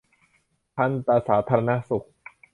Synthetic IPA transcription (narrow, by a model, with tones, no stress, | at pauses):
pʰa˧˥nt̪a˧˩saː˩˦t̪ʰaː˧ɾa˧na˦˥su˨˩k̚